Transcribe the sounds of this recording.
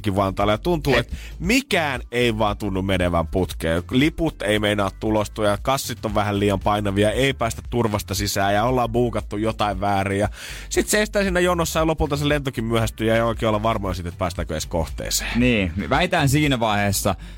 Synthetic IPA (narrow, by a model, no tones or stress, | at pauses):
kiʋʋɑnt̪ɑːlːɑjɑt̪unt̪uːet̪ | mikæːneiʋɑːnt̪unːummeneʋæmput̪kḛːliput̪eimeinɑːt̪t̪ulost̪ujɑkɑsːit̪ːoʋʋæhælliːjɑmpɑinɑʋiɑeipæːst̪æt̪turʋɑst̪ɑsisæːjɑolːɑːmbuːkɑt̪ːujjot̪ɑiʋʋæːriːjɑ | sit̪seest̪æːsiːnːæjonːosːɑjɑlopult̪ɑselent̪okimmyøhæst̪yjɑeioˑikeːolːɑʋɑrmojɑsit̪ːet̪̚pæːst̪æːkøeskoht̪ḛːse̥ːniːʋæit̪æːnsiːnæʋɑiheːsːɑ